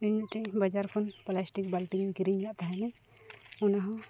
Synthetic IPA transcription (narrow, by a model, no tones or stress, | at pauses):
ɲuʈɛbad͡ʒaɾkʰɔnplasʈik̚balʈiɲkiɾiɲlaʔt̪aɦɛnɛ | ɔnaɦɔ̃